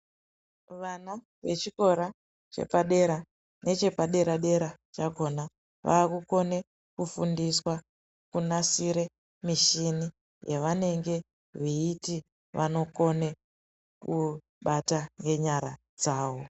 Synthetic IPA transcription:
ʋana | ʋe̞t͡ʃiko̞ɾa | t͡ʃe̞̰paɗe̞ɾa | ne̞t͡ʃe̞paɗe̞ɾaɗe̞ɾat͡ʃaɡʱo̞na | ʋa̰ːkuko̞ne̞ | kufundiswa | kunasiɾe̞ | miʃini | jeʋane̞ŋɡe̞ | ʋiːti | ʋʔano̞ko̞ne̞ | ku | ɓataŋɡe̞ɲaɾa | d͡zaːwo̞

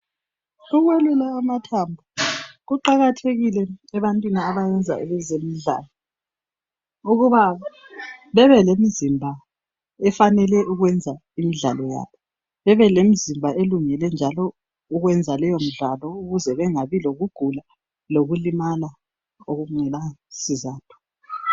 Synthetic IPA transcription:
uɣwelulaːmatʰambʱuɣuǃaɣatʰeɣilɛɛβantʼwiniaβajɛnd͡zʱa̰ɛβɛzemiɮa̰ːlɔ | uɣuβa | βɛβɛlemizimbʱa | ɛfanɛlɛʔuɣwɛnd͡zʱa | imiɮa̰lɔja̰ːβɔ | βɛβɛlem̩zimbʱaʔeluŋɛlɛnd͡ʒʱalɔ | uɣwɛnd͡zʱalɛjom̩ɮalɔuɣuzɛβɛŋaβiloɣuɡ̥ʱula | loɣulimala | oɣuŋ͡ǀɛlasizaːtʰu̥

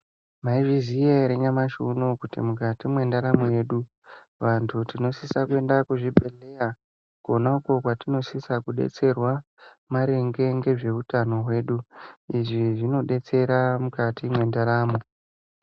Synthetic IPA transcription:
maiʐizijeɾeɲamaʃunokutḭmukatimwe̞ndaɾamoje̞ɗu | ʋantʰutino̞sisakue̞ndakuʐibʱe̞le̞ra | konauko̞kwatino̞sisakuɗḛt͡se̞rwa | maɾe̞ŋɡe̞ŋɡe̞ʐe̞utano̞ɦwe̞ːɗuiʐiʐino̞ɗe̞t͡se̞ɾamukatʰimwe̞ndaɾaːmo̞

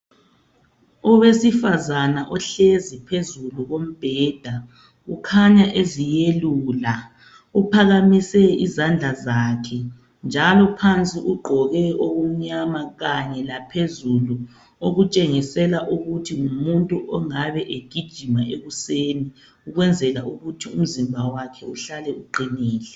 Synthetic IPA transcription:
ɔwesifazanaʔɔɬezipʰezuluɣom̩b̥ʱɛːd̥ʱa | ɣukʰaɲaʔezijeluːla | upʰaɣamisɛizand͡ɮʱazaːkʰɛ | nd͡ʒʱalɔpʰant͡sʼiʔuɡ͡ǃʱɔɣɛoɣum̩ɲamaɣaɲɛlapʰezulu | oɣut͡ʃʼeŋisɛlaʔuɣutʰiŋumuntʼuʔɔŋaβɛʔeɡ̥ʱid̥ʒ̥ʱimaʔeɣuseːni | uɣwɛnd͡zʱɛlaʔuɣutʰium̩zimbʱawakʰɛuɬalɛuǃʱiniːlɛ

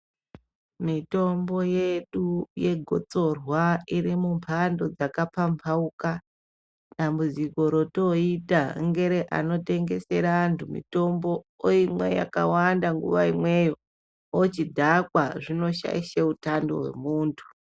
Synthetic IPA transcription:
mito̞mbo̞je̞ɗuje̞ɡʱo̞̰t͡so̞rwaiɾimumpʰando̞d͡zakapampʰauka | ɗambud͡ziko̞ɾo̞to̞itaŋɡe̞ɾeʔa̰no̞te̞ŋɡe̞se̞ɾaːntʰumḭto̞mbo̞oimwe̞̰ja̰ka̰wandaŋɡṵʋaimwe̞jo | ot͡ʃidʱakwaʐino̞ʃa̰iʃeutando̞̰ɦwe̞̰muːntʰu̥

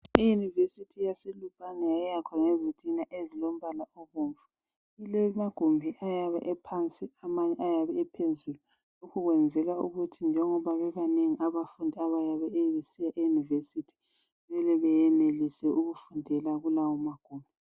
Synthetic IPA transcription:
ijunivesitʰijaselupʰʼanɛjajɛjakʰaŋezitʼinaʔezilom̩βalaoβuːɱvu̥ | ilɛmaɡ̥ʱombʱiʔajaβɛ̰ʔɛpʰant͡sʼiamaɲɛajaβɛɛpʰezulu | lukʰuɣwɛnd͡zʱɛlaṵɣutʰind͡ʒʱɛŋɔβaβɛβaneŋiʔaβafundʱiaβajaβɛeβesijaʔejunivesitʰi̥ | βɛlɛβɛjɛnelisɛuɣufundʱɛlaɣulawɔmaɡ̥ʱoːmbʱi

